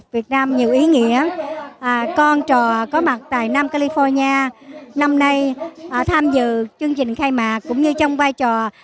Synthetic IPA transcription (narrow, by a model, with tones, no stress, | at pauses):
vi˨˩ət̚naː˧mɲi˨˩əwʔi˨˦ŋḭ˧˥əʔkɔ˧nt͡ɕɔ˨˩kɔ˨˦ma˨˩t̚t̪a̰ː˧˨jna˧mkaː˧li˧fɔ˧ɲaː˧na˧mna˧jʔt̪ʰaː˧mzɨ̰˧˨t͡ɕɨ˧əŋt͡ɕï˨˩ŋ̟xaː˧jmaː˨˩kːʊ̰˧˥ŋ͡mɲɨ˧t͡ɕɔ˧wŋ͡mvaː˧jt͡ɕɔ˨˩